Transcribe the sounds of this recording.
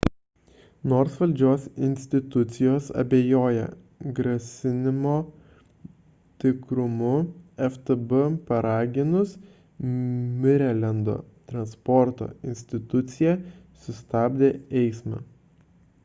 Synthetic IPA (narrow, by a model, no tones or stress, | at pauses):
noːɾsʋɐlʲd͡ʒʲoːsɪnʲsʲt̪ʲɪt̪ʊt̪sʲɪjoːsɐ̰bʲeːjoːjɛ̰ | ɡɾɐsʲɪnʲɪmoː | t̪ʲɪkɾʊmʊɛft̪ɨbɨpɐɾɑːɡʲɪnʊs | mʲɪɾʲɛlʲɛnd̪o̰ːt̪ɾɐnspɔɾt̪o̰ːɪnʲsʲt̪ʲɪt̪ʊt̪sʲɪjɛ | sʊst̪ɑːbʲd̪ʲeːɛɪsmɑ̰